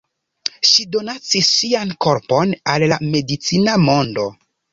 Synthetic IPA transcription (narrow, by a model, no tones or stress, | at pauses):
ʃido̞nat͡sisːianko̞ɾpo̞nallame̞dit͡sinamo̞ndo̞